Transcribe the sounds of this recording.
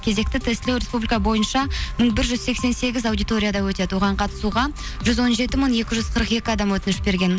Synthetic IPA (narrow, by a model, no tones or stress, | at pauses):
kʲʰe̞ze̞k̚t̪ɪt̪ʰest̪ɪlewɾʲe̞spublʲijkɑbo̞jənʃɑməɴbɪɾʒʏzse̞kse̞nse̞ɡʲɪzawd̪ijt̪o̞ɾʲijad̪ɑwɵt̪e̞d̪ɪwo̞ʁɑɴqʰɑt̪ə̥suʁɑ | ʒʏzwo̞nʒe̞t̪ɪməɴe̞kʲɪʒʏzqʰəɾəqe̞kʲɪɑd̪ɑmwɵt̪ɪnɪʃbe̞ɾɡʲe̞n